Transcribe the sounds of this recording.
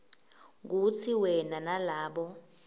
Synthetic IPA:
k̬ut͡sʰiwɛnanalaːɓɔ

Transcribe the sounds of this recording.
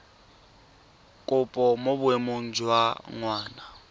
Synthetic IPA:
kʼʊpʼɔmobʊemoŋ̩d͡ʒwaŋwaːna

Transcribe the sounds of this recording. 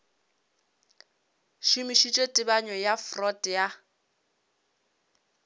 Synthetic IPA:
ʃimiʃit͡ʃʼetʼɪbaɲɔjafrɔtʼja

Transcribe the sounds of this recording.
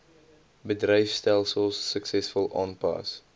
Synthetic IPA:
bədrəjfstælˠsəlˠsːəksɛsfɔlˠʔɑ̰ːnpɑ̰s

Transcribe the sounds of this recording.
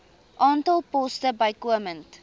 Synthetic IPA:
ʔɑːntɐlˠpɔstəbɐjkuəmənt

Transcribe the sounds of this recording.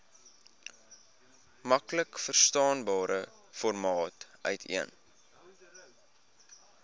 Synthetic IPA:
mɐkləkfərstɑːnbɑːɾʔə | fɔrmɑːtʔœ̰ɥtʰḭən

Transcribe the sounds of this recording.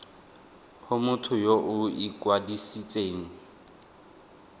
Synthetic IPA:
hʊmʊtʰʊjoʔʊikʼwadisit͡sʼeːŋ̩

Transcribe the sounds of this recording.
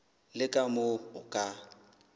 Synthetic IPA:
lɪkʼamoʊkʼa

